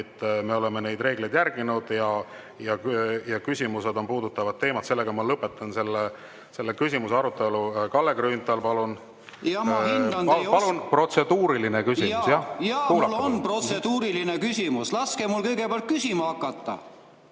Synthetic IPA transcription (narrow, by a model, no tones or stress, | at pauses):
et̪ːˑme̞o̞le̞me̞ne̞jd̪re̞ːɡlejd̪jærɡ̥inud̪̥jɑ | jɑjɑkysʲimuse̞d̪o̞npuːd̪ut̪ːˑɑvɑdt̪̚ːe̞ːmɑt̪se̞lːe̞ɡ̥ɑmɑlɤpːˑe̞t̪ːˑɑnse̞lːe | se̞lːekysʲimuseɑɾut̪ːˑe̞lukɑlːeɡɾyːnt̪ˑɑlpɑlun | jɑmhɑnpɑlunpro̞t̪se̞d̪uːɾilinekysimusjɑjɑkuːlulːonprot̪sed̪uːɾilinekysʲimuslɑskemulkɤjɡ̥epeɑlt̪̚kysʲimɑɑkːˑɑt̪ːˑɑ̰